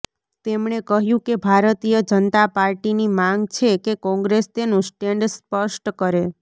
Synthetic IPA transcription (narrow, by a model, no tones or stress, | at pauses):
t̪emɳekəɦjũkebʱaɾt̪ijəd͡ʒənt̪apaɾʈinimãŋɡt͡ʃʰekekɔ̃ŋɡɾest̪enũsʈeɳɖspəʃʈkəɾe